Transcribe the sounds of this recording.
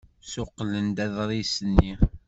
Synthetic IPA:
sʊqːlənd̪æðɾˤisənːi

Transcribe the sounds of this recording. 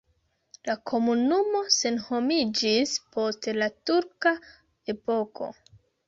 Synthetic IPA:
lakʰo̞munumo̞se̞nho̞mid͡ʒispo̞stlatuɾka | e̞po̞kʰo̞̰

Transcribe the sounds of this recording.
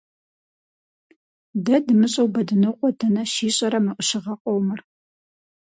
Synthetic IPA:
dɐdɨmɨɕʼɐwbɐdɨnɨqʷʼɔdʰɐnɐʃiːɕʼɐɾɐmɨʔʷʊɕɪʁɐqʷʼɔwmɨr

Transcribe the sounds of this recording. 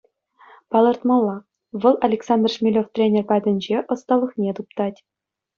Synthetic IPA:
pɑlˠɤ̆rt̪mɑlˠːɑ | ʋɤ̆lˠʔɑlʲeksɑnd̪rʂmʲilʲoft̪rʲenʲerpɑd̪ʲɘ̆nʲd͡ʑeʔɤ̆st̪ɑlˠːɤ̆χnʲet̪up̚t̪ɑtʲ

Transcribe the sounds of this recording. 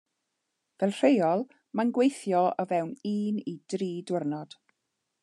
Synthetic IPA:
vɛlˠr̥ejɔlˠ | manɡwejθjɔəvɛwniːnid̥riːdwərnɔd̥

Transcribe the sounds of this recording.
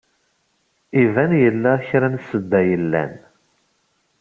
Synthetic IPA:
ivænjəlːæçɾænsəd̪ːæjəlːæ̰n

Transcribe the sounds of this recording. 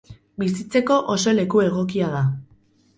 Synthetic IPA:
bis̬it͡se̞ko̞ʔoso̞le̞kue̞ɣ̞o̞kiað̞a

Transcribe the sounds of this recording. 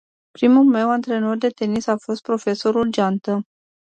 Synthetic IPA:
pɾimulme̞want̪ɾe̞no̞rd̪e̞t̪e̞nisafo̞st̪̚pɾo̞fe̞so̞ɾuld͡ʒant̪ə

